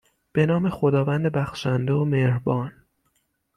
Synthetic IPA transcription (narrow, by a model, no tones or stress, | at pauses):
b̥e̞nɒːme̞xo̞d̪ɒːvænd̪ebæxʃænd̪eomeɾbɒːn